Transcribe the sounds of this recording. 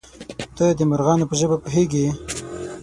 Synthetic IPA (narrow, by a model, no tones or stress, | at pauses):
t̪əd̪əmaɾɣɑnopəʒəbapəɦeɡe